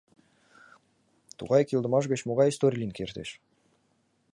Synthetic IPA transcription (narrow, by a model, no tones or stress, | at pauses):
t̪ṵʁɑjkʲilˠd̪əmɑʒɡʲet͡ɕmuʁɑjst̪oɾʲlʲinkʰʲeɾt̪eʃ